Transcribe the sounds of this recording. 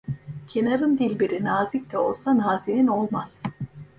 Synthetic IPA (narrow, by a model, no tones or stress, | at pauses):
cʰe̞naɾɯnd̪ilʲbiɾinaːzic̚t̪ɛo̞̰lˠsanaːzinino̞lˠmaz̥